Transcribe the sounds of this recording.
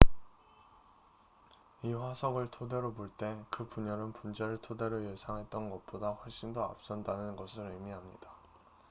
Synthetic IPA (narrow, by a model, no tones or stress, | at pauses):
iɸasʰʌɡɯɭtʰode̞ɾopoɭt͈e̞kɯpuɲʌɾɯnpund͡ʑe̞ɾɯɭtʰode̞ɾoje̞sʰaŋɦe̞t̚t͈ʌnɡʌp͈odaɸwʌɭɕ͈indoa̰p̚s͈ʌndanɯnɡʌsʰɯɾɯmiɦamɲida